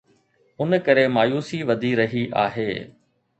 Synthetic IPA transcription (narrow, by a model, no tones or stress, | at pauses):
ʊnkɐɾemaːjuːsiʋɐd̪ʱiɾɐɦiʔa̰ːɦeː